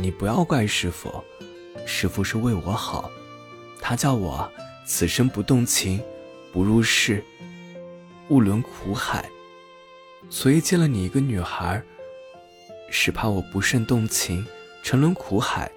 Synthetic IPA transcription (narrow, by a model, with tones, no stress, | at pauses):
ni˨˩pu˧˥jɑ˥˧ʊkwa˥˩ɪʂɻ̩˧˥fṵ˨˩ | ʂɻ̩˧˥fʂɻ̩˥˧we˥˩ɪwɔ˧˥xɑ˨˩˦ʊ | t̪ʰa˥t͡ɕjɑ˥˩ʊwɔ̰˨˩ | t͡sʰɹ̩˨˩ʂə˥ŋpu˧˥t̪ʊ˥˩ŋt͡ɕʰi˧˥ŋ | pu˧˥ɻu˥˧ʂɻ̩˥˧ | u˥˩lwə˧˥nkʰu˧˥xa̰˨˩˦ɪ | swɔ˧˥i˨˩t͡ɕjɛ˥˩lə˨˩ni˨˩i˧˥ɡə˧ny˨˩xə˧˥ | ʂɻ̩˧˩pʰa˥˩wɔ˨˩pu˧˥ʂə˥˧nt̪ʊ˥˩ŋt͡ɕʰi˧˥ŋ | ʈ͡ʂʰɤ˧˥ŋlwə˧˥nkʰu˧˥xa̰˨˩˦ɪ